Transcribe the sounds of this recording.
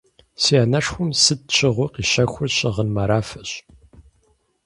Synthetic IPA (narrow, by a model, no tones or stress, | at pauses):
siaːnɐʂxʷʊmsɨd̚t͡ʃʰʼɪʁʷʊqiːɕɐxʷʊɕɪʁənmaɾaːfɐɕ